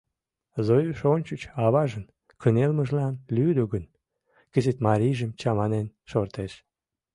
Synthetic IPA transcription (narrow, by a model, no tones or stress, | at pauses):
zojəʃonʲt͡ɕut͡ɕɑβɑʒən | kʰənelməʒlɑnlyd̪oɡən | kəzet̪mɑɾʲiʒəmt͡ɕɑmɑnenʃort̪eʃ